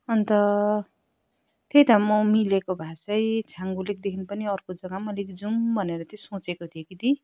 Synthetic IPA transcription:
ʌnt̪ʌ | t̪ejt̪amʌmilekobʱasʌjt͡sʰaŋɡulek̚d̪ekʰinpʌniʌrkod͡zʌɡamʌlikd͡zumbʱʌneɾʌt̪josõt͡sekot̪ʰijekid̪i

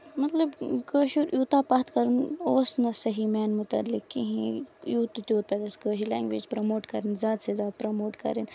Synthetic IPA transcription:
mɐt̪lɐbkəːʃuɾʔjuːt̪aːpɐt̪kɐɾunoːsnɐsɐɦimɛːnmʊt̪ɐ̰lːɪkːḭɦĩjuːt̪t̪ʲoːt̪̚pɐd̪ɐskəːʃilɛːŋɡʋḛːd͡ʒpɾoːmoːʈkɐɾinzʲjaːd̪sezʲjaːd̪̚pɾomoːʈkɐ̰ɾin

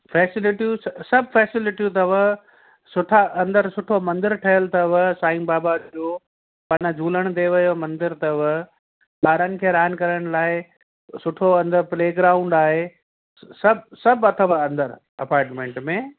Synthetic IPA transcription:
fɛːsɪlɪʈijussɐbfɛːsɪlɪʈijut̪ɐʋə | sʊʈʰaʔɐ̃nd̪əɾsʊʈʰomɐ̃nd̪ɪɾʈʰɐjəlt̪ɐʋɐsaːĩːmbaːbaoː | pɐnəd͡ʑʱuːləɽ̃d̪eʋɐjomɐ̃nd̪ɪɾt̪ɐʋ | ɓaːɾənɪ̆kʰeːɾaːən̆kɐɾəɽ̃laːɪ | sʊʈʰoɐ̃nd̪əɾpleːɡɾaːũɳɖaːɦe | sɐbsɐbʱɐt̪ʰəʋəɐ̃nd̪əɾ | ɐpaːɾʈmẽːɳʈmẽ

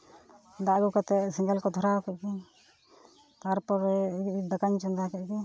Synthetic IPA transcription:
d̪aʔɡukɔt̪ɛsiŋɡəlkɔd̪ʱɔɾakɛki | t̪aɾpɔɾɛd̪əkaɲt͡ʃɔnd̪akɛʔ̚ki

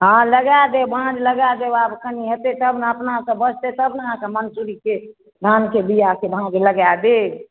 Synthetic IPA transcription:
ɦãləɡad̪ebʱãd͡ʒləɡad̪eabkʰəniɦət̪et̪əbnaəpnasə̃bəd͡ʒʰʱt̪et̪əbnaãkəmənsuɾike | d̪ʱankebijakebʱãd͡ʒləɡad̪ed͡ʒ

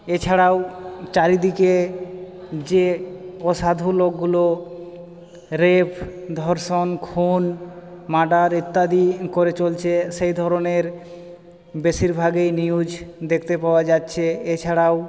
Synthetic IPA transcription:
et͡ɕʰaɽawt͡ɕaɾid̪ike | d͡ʑeɔʃad̪ʱulokːulo | ɾebd̪ʱɔɾʃonkʰunmaɖaɾit̪ːad̪ikoɾet͡ɕolt͡ɕʰeʃejd̪ʱɔɾoneɾ | beʃiɾbʱaɡejniud͡ʑd̪ekʰt̪epaoad͡ʑatːɕʰeet͡ɕʰaɽaw

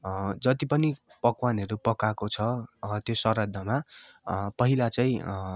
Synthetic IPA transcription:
d͡zʌt̪ipʌnipʌkwanʌɾupʌkakot͡sʰʌt̪josʌɾʌd̪ʱːʌma | pʌɦilat͡saĩ

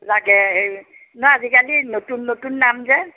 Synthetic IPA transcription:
zaɡɛ | nɔazikalinotunːotunːamzɛ

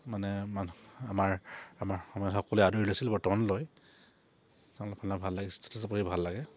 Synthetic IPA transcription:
manɛmanamaɹamaɹxɔmɔjɔtxɔkɔlɛaduɹilasilbɔɹtɔmanloj | salapʰanabʱalːaɡɛstɔ̥tʰazapɔɹibʱalːaɡɛ

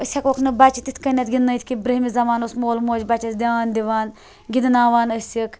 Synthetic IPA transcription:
əsʲɐkokʰnɨbat͡ʃit̪it̪ʰʲkɐnʲːɐt̪ʲɡʲinnːɐjt̪ʰʲkibɾɐɦmizɐmaːnosmoːlmoːd͡ʒbɐt͡ʃɐsd̪ʲaːnd̪iʋaːn | ɡʲid̪naːʋaːnɐsʲjɐk

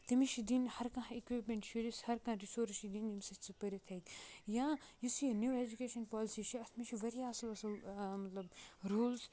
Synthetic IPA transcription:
t̪ɐmiʃʰid̪inhɐɾkãikʋipmẽɳʈʃuɾishɐɾkãːɾisoːɾʃid̪ind̪imʲsɐt͡sɨpəɾʲit̪ʰɐjk̪jãːjisinjuːed͡ʒukeːʃɐnpɔːlsit͡ʃʰiɐt̪ʰmiʃʰiʋɐɾiɐsɐlɐsɐlmɐt̪lɐb̚ɾuːls

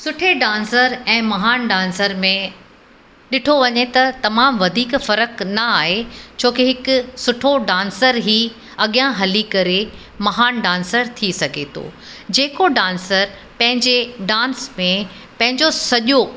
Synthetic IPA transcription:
sʊʈʰeɖãːnsəɾɛ̃ːmɐɦaːnɖãːnsəɾmẽ | ɗɪʈʰoʋɐɲet̪ɐt̪ɐmaːmʋɐd̪ʱiːkfɐɾəknɐaːɦet͡ɕʰoːkiɦɪkʊsʊʈʰoɖãːnsəɾɦiː | ɐɠijãɦɐlikɐɾe | mɐɦaːnɖãːnsəɾt̪ʰisɐɡʱet̪ʰo̰ː | d͡ʑeːkoɖãːnsəɾ | pɐ̃ɦɪ̃ɲd͡ʑeɖãːnsmẽ | pɐ̃ɦɪ̃ɲd͡ʑosɐʄo

